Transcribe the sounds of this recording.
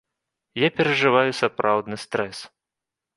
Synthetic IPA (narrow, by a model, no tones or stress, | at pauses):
japʲɛɾɐʐɨvajusapɾʔawd̪nɨst̪ɾɛs